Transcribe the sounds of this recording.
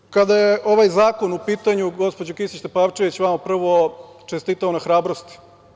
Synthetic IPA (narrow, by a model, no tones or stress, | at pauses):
kad̪ajeʔo̞ʋajzaːko̞nupiːt̪aɲuɡo̞spod͡ʑokisit͡ɕt̪epaʋt͡ʃeʋit͡ɕʋamapr̩ʋo̞ | t͡ʃest̪iːt̪aonaxɾaːbɾo̞st̪i̥